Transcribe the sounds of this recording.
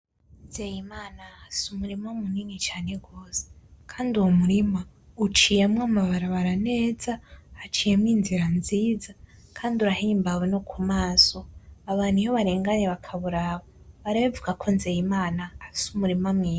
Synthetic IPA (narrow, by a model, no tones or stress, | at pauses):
nzejimaːnaasumuɾimamuniːŋit͡ʃaːne̞ɡo̞ːse̥kʰaːnduwomuɾima | ut͡ʃijamŋwamaβaɾaβaɾane̞ːzahːt͡ʃijemŋiːnziɾanziːza | kʰaːnduɾahiːmbawenokʰumaːsoaβaːn̥ijoβaɾeːŋɡaɲeβakʰaβuɾaβa | βaɾaβavuɡakʰonzejimaːnaːsumuɾimamŋiː